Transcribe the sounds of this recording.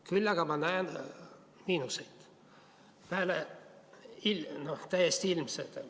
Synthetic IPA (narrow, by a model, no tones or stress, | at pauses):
kylːɑɡ̥ɑmɑnæen | miːnusejt̪ | pæːle | ilnot̪æjest̪iilmset̪